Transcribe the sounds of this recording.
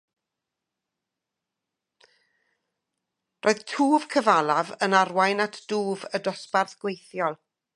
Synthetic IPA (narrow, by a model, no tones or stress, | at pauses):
rʔoːð̥tʰuːv̥kʰəvalˠavənarwajnatʰd̥uːvədɔsparθɡ̥wejθjɔlˠ